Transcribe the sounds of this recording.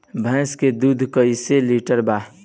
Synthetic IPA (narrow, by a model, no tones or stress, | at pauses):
bʱɛ̃ːsked̪uːd̪ʱkəiseliʈəɾba